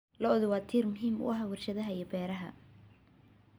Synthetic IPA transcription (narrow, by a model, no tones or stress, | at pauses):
lɔɔðʊwɑːt̪ʰiːrmʊɦiːmʊ̰ʔɐɦaːwɑrʃɐðɐɦɐijɔbɛːɾɐɦɐ̰